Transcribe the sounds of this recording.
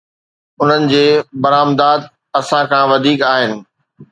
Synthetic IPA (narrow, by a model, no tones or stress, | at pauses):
ʊn̤ənɪ̆d͡ʑeːbɐɾaːmd̪aːd̪ | ɐsãkʰãːʋɐd̪ʱiːkaːɦɪnɪ̆